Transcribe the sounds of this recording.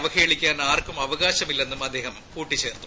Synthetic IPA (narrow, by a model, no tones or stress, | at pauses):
ʋɐkeːɭikʲːaːnaːrkumɐʋɐɣaːɕɐmilːe̞nːumɐd̪ːe̞ːhɐmpuːʈːit͡ɕe̞ːrt̪ːu